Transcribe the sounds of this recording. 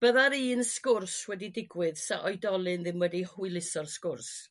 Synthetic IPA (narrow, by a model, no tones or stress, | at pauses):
b̥əðaɾiːnskʊrswɛdidɪɡwɪðsa̰ʔɔjdɔlˠɨnðɪmwɛdihuɨlˠɪsɔrskʊrs